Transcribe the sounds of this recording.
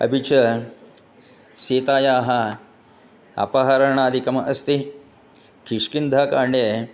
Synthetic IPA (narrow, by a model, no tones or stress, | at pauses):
ɐ̰bʱit͡ʃɐ | seːt̪aːjaːɦɐ̆ | ɐ̰pɐɦɐɾɐɳaːd̪ʱikɐmɐʔɐst̪i | kiʂkind̪ʱaːkaːɳɖeː